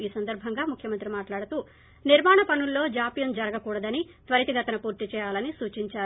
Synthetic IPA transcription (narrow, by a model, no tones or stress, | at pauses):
iːsɐnd̪ɐɾbʱɐŋɡaːmukʰjɐmɐnt̪ɾimaːʈlaːɽut̪uː | niɾmaːɳɐpɐnulːo̞ːd͡ʒaːpijɐnd͡ʒɐɾɐɡɐkuːɽɐd̪ɐni | t̪ʋɐɾit̪iɡɐt̪ɐnɐpuːɾt̪it͡ʃɛːjaːlɐnisuːt͡ʃiɲt͡ʃaːɾ